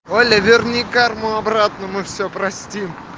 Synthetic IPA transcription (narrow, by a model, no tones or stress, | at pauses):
olʲəvʲɪrnʲɪkarmʊɐbɾat̪nəmɨfsʲopɾɐsʲtʲim